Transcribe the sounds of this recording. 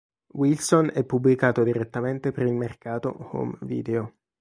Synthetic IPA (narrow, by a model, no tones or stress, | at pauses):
wilsonɛpːubːlikaːt̪od̪iɾet̪ːament̪epeɾilmerkaːt̪o̰ho̰mvḭːd̪eo